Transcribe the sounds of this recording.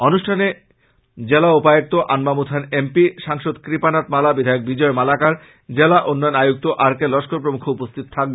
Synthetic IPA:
onuʃʈʰane | d͡ʑelaupajok̚t̪oʔanmamut̪ʰanempiʃaŋʃod̪kɾipanat̪malabid̪ʱajok̚bid͡ʑɔemalakaɾ | d͡ʑelaʔonːɔjonajuk̚t̪oʔaɾkelɔʃkʰoɾpɾomukʰːoupost̪ʰit̪ot̪ʰak̚be

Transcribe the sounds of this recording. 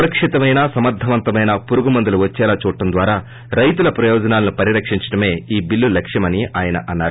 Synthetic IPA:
ɾɐkʂit̪ɐmɐjnaːsɐmɐɾd̪ʱːɐʋɐnt̪ɐmɐjnɐpuɾuɡumɐnd̪ɐluʋɐt͡ʃːɛːlaːt͡ʃuːʈːɐnd̪ʋaːɾaː | ɾɐjt̪ulɐpɾɐjɔːd͡ʒɐnaːlɐnupɐɾiɾɐkʂiɲt͡ʃɐ̥ʈɐme̞ːiːbilːulɐkʂjɐmɐniaːjɐnɐ̰ʔɐnːaːɾu

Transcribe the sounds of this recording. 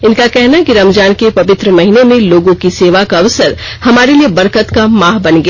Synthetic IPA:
ɪnkakɛɦnakiɾɐmd͡ʒaːnkepɐʋɪt̪ɾəmɐɦiːnemẽloːɡõkiseːʋakaɐʋsəɾ | hɐmaːɾeliebɐɾkət̪kamaːɦbɐnɡ

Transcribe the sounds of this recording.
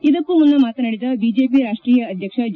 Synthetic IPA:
id̪ɐkːumund̪ɐmaːt̪unɐɽid̪ɐbiːd͡ʒeːpiɾaːʂʈɾiːjɐːd̪ʱjɐkʂɐd͡ʒ

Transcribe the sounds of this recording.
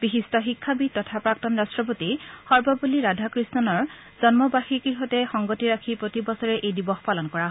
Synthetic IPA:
b̥ixistɔxikʰːabitɔtʰapɹak̚tɔnɹastɹɔpotixɔɹbɔbuliɹadʱakɹisnɔnɔɹ | z̥ɔnmɔbaxikiɦɔtɛxɔŋɡotiɹakʰipɹotibɔsɔɹɛʔejdibɔxpalɔnkɔɹaɦ

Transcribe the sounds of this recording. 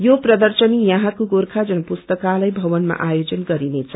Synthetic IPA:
joprʌd̪ʌrsʌnijãɦãkoɡorkʰad͡zʌnʌpust̪ʌkalajbʱʌwʌnma̰ʔajod͡zʌnɡʌɾinet͡sʰʌ

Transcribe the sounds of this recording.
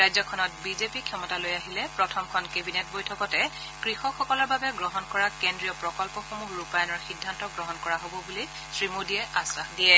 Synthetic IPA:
ɹajzɔkʰɔnɔt̚bizepikʰjɔmɔtalojaɦilɛpɹɔtʰɔmkʰɔnkebinɛt̚bojtʰɔkɔtɛ | kɹixɔxɔkɔlɔɹbabɛɡɹɔɦɔnkɔɹakendɹijɔpɹɔkɔlpɔxomuhɹupajɔnɔɹxidʱːantɔɡɹɔɦɔnkɔɹaɦobɔbuli | sɹimudiɛʔasaxdijɛ

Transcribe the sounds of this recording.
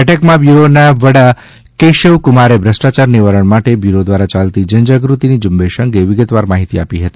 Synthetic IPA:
ɛʈəkmãbjuɾonaʋəɽa | keʃəʋkʊmaɾebʱɾəsʈat͡ʃaɾniʋaɾəɳ̃maʈebjuɾod̪ʋaɾat͡ʃalt̪id͡ʒəɲd͡ʒaɡɾut̪inid͡ʒʊmbeʃəŋɡeʋɪɡət̪ʋaɾmaɦit̪iapiɦət̪i̥

